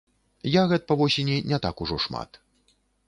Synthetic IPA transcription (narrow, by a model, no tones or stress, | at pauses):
jaɣɛt̪pɐvɔsʲenʲinʲɛt̪akuʐɔʂma̰t̪